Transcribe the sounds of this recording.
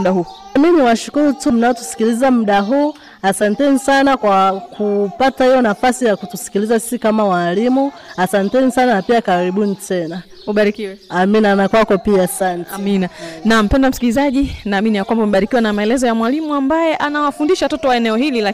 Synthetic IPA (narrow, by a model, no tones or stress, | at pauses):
mɗaɦuaminiwaʃu̥kuɾutum̩naɔtu̥si̥kilizamuɗaɦuː | asantɛnisanakwakʰupatahijɔnafasijakutusi̥kilizasi̥sikamawalimuasantɛnisananapiakaɾiɓunitɛna | uɓaɾikiwɛaminanakwakɔpiaːsantɛminanam̩pɛndam̩si̥kilizaʄinaːminijakwambamɛɓaɾikiwanamaɛlɛzɔjamwalimuambajɛʔanawafundiʃawatɔtɔwaɛnɛɔɦilila